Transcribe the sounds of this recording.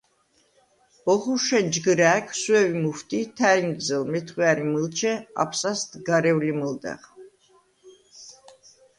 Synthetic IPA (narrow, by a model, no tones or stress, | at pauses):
ɔχuʃɛnd͡ʒɡɾæːkʰswɛvimuft̪ʰʼit̪ʰæinɡzɛlmɛt̪ʰχwiaɾimɨlt͡ʃʰɛa̰pʰsast̪ɡaɾɛwliməld̪ɛ̰ʁ